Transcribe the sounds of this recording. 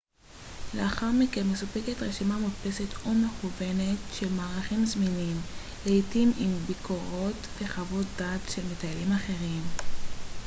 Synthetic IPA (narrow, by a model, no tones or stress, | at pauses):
leaχaʁmikenmesupe̞ketʁeʃimamutpe̞setome̞χuve̞ne̞tʃelmaːʁaχimzminim | leitimimbikʰo̞ʁo̞tve̞χavot̚d̪atʃelmetaelimaχe̞ʁim